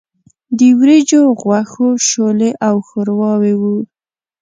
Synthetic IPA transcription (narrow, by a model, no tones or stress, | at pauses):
d̪iwɾed͡ʒoɣwaxoʃoleʔawxəɾwɑwewu